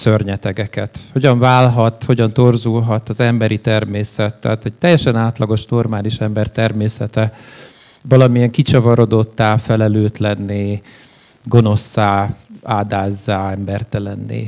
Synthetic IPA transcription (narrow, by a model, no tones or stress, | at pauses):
sørɲɛt̪ɛɡɛkɛt̪ho̞ɟɒɱvaːlɦɒt̪ho̞ɟɒnt̪o̞rzulɦɒt̪ɒzɛmbɛɾit̪ɛrmeːsɛt̪ːɛ̰ːt̪ɛc̚t̪ɛjːɛʃɛnaːt̪lɒɡo̞ʃno̞rmaːliʃɛmbɛrt̪ɛrmeːsɛt̪ɛ | vɒlɒmijɛŋkit͡ʃɒvɒɾo̞d̪o̞t̪ːaːfɛlɛløːt̪lɛnːeː | ɡo̞no̞sːaːaːd̪aːzːaːɛmbɛrt̪ɛlɛnːḛː